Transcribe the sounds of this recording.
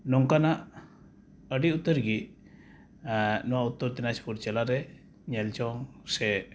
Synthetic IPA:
nɔŋkanaʔ | əɖiut̪ːəɾɡi | nɔwaut̪ːɔɾt̪ɛnaspuɾt͡ʃɛlaɾɛ | ɲɛlt͡ʃɔŋsɛ

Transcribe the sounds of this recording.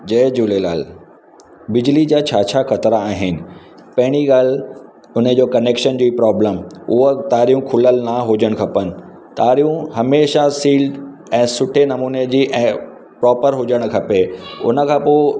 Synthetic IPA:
d͡ʑɐːd͡ʑuːlela̰ːl | bɪd͡ʑlid͡ʑaːt͡ɕʰaːt͡ɕʰaxɐt̪ɾaːɦɪnɪ̆ | pɐ̃ɦɪɽ̃iɡaːl̤ | ʊnəd͡ʑoːkɐneːkʃənd͡ʑoːipɾɔːbləmʊɦət̪aːɾijũkʰʊləlnaɦʊd͡ʑəɽ̃kʰɐpənɪ̆ | t̪aːɾijũɦɐmeːʃasiːlɖ | ɛ̃ːsʊʈʰenɐmuːned͡ʑiːʔɛ̃ː | pɾɔːpəɾɦʊd͡ʑəɽ̃ʊ̆kʰɐpeʊ̰nə̆kʰãːpoːɪ

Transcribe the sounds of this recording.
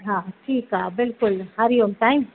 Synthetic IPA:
ɦãʈʰiːkɦabɪlkʊlhaɾiomʈaɪ̃m

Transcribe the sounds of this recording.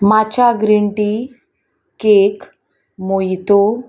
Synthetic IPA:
mat͡ɕaɡɾiɳʈi | kek | mojt̪o

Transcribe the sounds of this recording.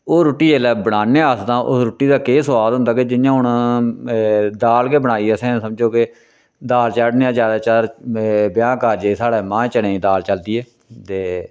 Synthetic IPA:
oːɾʊʈːiːeːlɛːbəɽaːneːəst̪ãːʔʊ̰sɾʊːʈːiːd̪aːkeːsəʋaːd̪ɦʊ̃nd̪aːked͡ʒɪnjãːɦʊɳ | d̪aːlkeːbəɽ̃aːiːɛsɛ̃ːsəmd͡ʒoːke | d̪aːlt͡ʃəɖneːãːd͡ʒjaːd̪aːt͡ʃaɾbjaːkaːɾd͡ʒeːsaːɽeːmãːt͡ʃəɽẽːĩːd̪aːlt͡ʃəld̪iːeː | t̪eː

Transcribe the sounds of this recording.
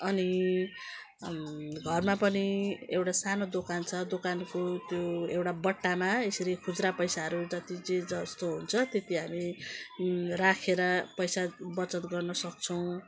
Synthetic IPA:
ʌni | ɡʱʌrmapʌniewʈasanod̪okant͡sʰʌd̪okankot̪joewʈabʌʈːamaesʌɾikʰud͡zɾapʌjsaɦʌɾud͡zʌt̪id͡zed͡zʌst̪oɦunt͡sʰʌt̪et̪iɦami | rakʰeɾʌpʌjsabʌt͡sʌt̪ɡʌrnʌsʌk̚t͡sʰʌw̃

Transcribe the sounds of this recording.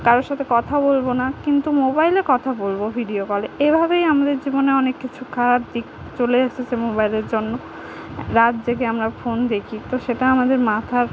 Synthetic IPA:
kaɾoʃat̪ʰekɔt̪ʰabolbonakint̪umobajlekɔt̪ʰabolbobʱiɖiokɔleebʱabejamad̪eɾd͡ʑiboneɔnekːit͡ɕʰukʰaɾab̚d̪ik̚ | t͡ɕoleaʃʰet͡ɕemobajleɾd͡ʑonːo | ɾat̪d͡ʑek̬eamɾafond̪ekʰit̪oʃeʈaamad̪eɾmat̪ʰaɾ

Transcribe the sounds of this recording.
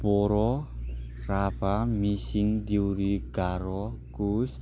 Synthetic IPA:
pɔɾɔ | rapamisɪŋd̪iuɾiɡ̥aɾɔkus

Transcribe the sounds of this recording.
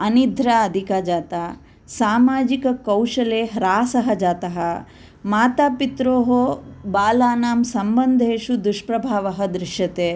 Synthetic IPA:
ɐnid̪ʱɾaɐd̪ʱikaːd͡ʒaːt̪aː | saːmaːd͡ʒikɐkɐwʂɐleːɦɾaːsɐɦɐd͡ʒaːt̪ɐɦɐ | maːt̪aːpit̪ɾoːɦobaːlaːnaːmsɐmbɐnd̪ʱeːʃud̪uʂpɾɐbʱaːʋɐɦɐd̪ɾɪʂjɐt̪eː

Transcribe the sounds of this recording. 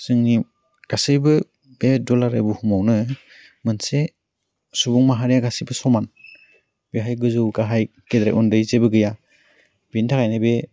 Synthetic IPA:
sɯŋni | ɡ̥asɯjbɯ | b̥edɔlaɾa̰jbuhumawnɯ | mɯnse | subuŋmaɦaɾijaɡasijbɯsɔman | beɦajɡɯzɯwɡaɦaj | kedɾa̰ʔundɯjzebɯɡɯja | bintʰakajnɯbe

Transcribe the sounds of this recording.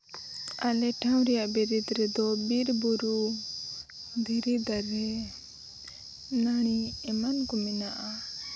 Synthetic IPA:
alɛʈʰawɾɛjaʔbɛɾid̪ɾɛd̪ɔbiɾbuɾu | d̪ʱiɾid̪aɾɛ | naɽ̃iɛmankɔmɛnaʔa

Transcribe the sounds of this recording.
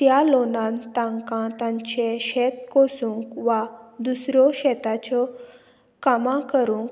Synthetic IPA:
t̪jalonãnt̪ãŋkãt̪ãɲt͡ɕeɕɛt̪kosũŋkʋad̪usɾɔɕɛt̪at͡ɕɔ | kamãkəɾũŋk

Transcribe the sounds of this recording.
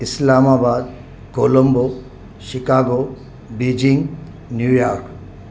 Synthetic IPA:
islaːmaːbaːd̪ | koːlɐmbo | ʃikaːɡo | bid͡ʒiŋɡ | njuːjaːɾk

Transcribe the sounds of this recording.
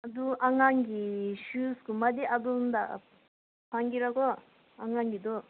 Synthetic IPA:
ad̪uʔaŋaŋɡiɕuskumɐd̪iʔad̪und̪a̰ | pʰaŋɡiɾaɡɔ | aŋaŋɡid̪o

